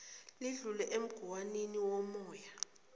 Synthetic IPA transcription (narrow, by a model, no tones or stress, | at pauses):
liɮulɛʔem̩ɡ̥ʱuwaniniwɔmɔːja